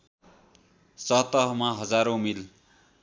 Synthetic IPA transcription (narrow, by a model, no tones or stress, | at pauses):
sʌt̪ʌɦmaɦʌd͡zaɾomil